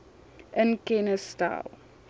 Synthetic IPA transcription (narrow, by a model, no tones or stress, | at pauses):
ʔɪ̃nkɛnəsta̰l